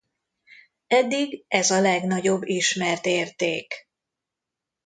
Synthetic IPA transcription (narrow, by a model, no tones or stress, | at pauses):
ɛd̪ːiɡɛzɒlɛɡnɒɟo̞bːiʃmɛrt̪eːrt̪eːk